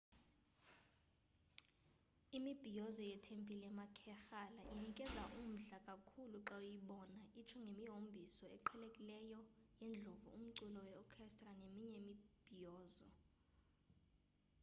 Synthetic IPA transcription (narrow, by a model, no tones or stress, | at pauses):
imib̥ʱijɔzɔjɛtʰempʼilɛmakʰɛxalaʔinikʼɛzaʔum̩ɮakʼakʰuluǁajiɓɔnaʔit͡ʃʰɛŋɡʱemiɦombʱisɔɛ̰ǃʰɛlekʼilɛjɔjend͡ɮʱovṵum̩ǀulɔwɛɔkʰɛstʼranemiɲɛmib̥ʱijɔːzɔ